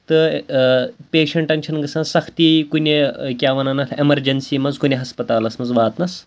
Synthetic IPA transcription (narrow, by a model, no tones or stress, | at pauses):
t̪ɨ | pʲeːʃɐɳʈɐnʲt͡ʃʰɐnɡɐsɐ̃sɐkʰt̪iːkunʲekʲjaːʋɐnɐnɐt̪ʰemɐɾd͡ʒɐnsiːmɐzkunʲeɦɐspɐt̪aːlɐsmɐzʋaːt̪nɐs